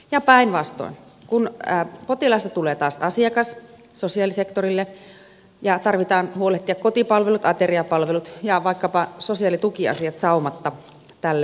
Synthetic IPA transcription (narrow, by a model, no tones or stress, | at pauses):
jɑpæˑinʋɑst̪o̰in | kunːpot̪ilɑst̪ɑt̪uleːt̪ɑːsɑsiɑkɑs | sosiɑlisekt̪orilːe | jɑt̪ɑrʋit̪ɑːnhuoleht̪iɑkkot̪ipɑlʋelut̪ɑt̪eriɑpɑlʋelut̪jɑʋɑikːɑpɑsosiɑlit̪ukiɑ̰siɑt̪sɑumɑt̪ːɑ | t̪ælːe